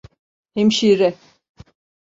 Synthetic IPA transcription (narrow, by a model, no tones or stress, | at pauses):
himʃiɾɛ